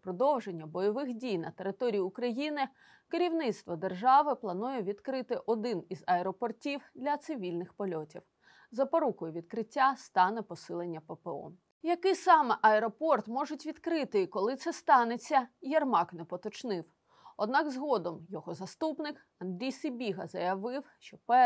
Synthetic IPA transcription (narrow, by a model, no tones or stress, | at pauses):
pɾɔd̪ɔwʒenʲːɐbɔjɔʋɪxdʲijnɐt̪eɾɪt̪ɔɾʲijiʊkɾɐjinɪ | keɾʲiwnɪt̪st̪ʋɔd̪erʒɑʋɪplˠɐnujɛʋʲid̪kɾɪt̪ɪʔɔd̪ɪnizɐɛɾɔpɔrtʲiwd̪lʲɐt̪sɪʋʲilʲnɪxpɔlʲɔtʲḭw | zɐpɔɾukʊjʊʋʲid̪kɾɪtʲːast̪ɑnɛpɔsɪlˠenʲːɐpepeɔ̰ | jɐkɪsɑmɛʔɐɛɾɔpɔrt̪mɔʒʊtʲʋʲid̪kɾɪt̪ɪkɔlˠɪt̪sɛst̪ɑnet͡sʲːɐjɐrmɑknɛpɔt̪ɔt͡ʃnɪw | ɔd̪nɑkzɦɔd̪ɔmjɔɦɔzɐst̪upnɪk | ɐnd̪ɾʲijsɪbʲiɦɐzɐjɐʋɪwʃt͡ʃɔpɛ